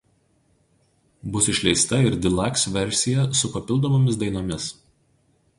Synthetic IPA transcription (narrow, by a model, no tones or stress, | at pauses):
bʊsɪʃʲlʲɛɪst̪ɐɪɾd̪ʲɪlˠɑˑksʋʲɛɾʲsʲɪjɛsʊpɐpʲɪlˠd̪oːmoːmʲɪsd̪ɐɪnoːmʲɪs